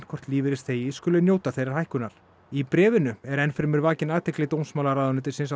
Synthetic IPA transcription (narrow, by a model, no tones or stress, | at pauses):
n̥kʰɔr̥t̪liːvɪɾɪst̪θeːjɪskʏːlɪnjoːwt̪aθejɾaɾ̥hajhkʏnaɾ̥ | ipɾɛːvɪnʏɛɾɛnfɪɾmɪɾvaːcɪnaːðt̪ʰɛklɪt̪ownsmaːlaɾaːðanɪt̪ɪsɪnsa